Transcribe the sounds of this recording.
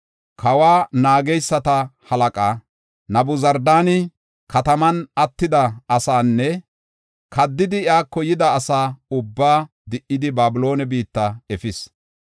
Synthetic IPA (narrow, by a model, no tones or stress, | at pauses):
kɐwaːnaːɡɛjsːɐt̪ɐhɐlɐkʼaː | nɐbʊzɐɾd̪aːnɪ | kɐt̪ɐmɐnɐt̪ːɪd̪ɐɐsaːnːɛ | kʰɐd̪ːɪd̪ɪjaːkːɔjɪd̪ɐːsaːʊbːaː | d̪ɪʔɪd̪ɪbaːbɪlo̞ːnɛbiːt̪ːɐɛfɪs